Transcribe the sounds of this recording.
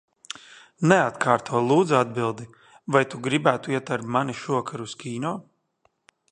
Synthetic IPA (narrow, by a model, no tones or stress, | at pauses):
nɛat̪kʰaːɾt̪ʰuɔlˠuːd̪zuad̪̚bilˠd̪i | vajt̪uɡɾibæːt̪uiɛt̪aɾbmaniʃuɔkʰaɾuskʲiːnɔː